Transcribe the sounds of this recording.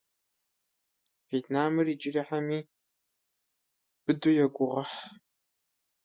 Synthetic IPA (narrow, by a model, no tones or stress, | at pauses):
vjet̪ʰnaːmɨriːd͡ʒʼɪriħamiː | b̥ɨdujɛɡʷʊʁɐħ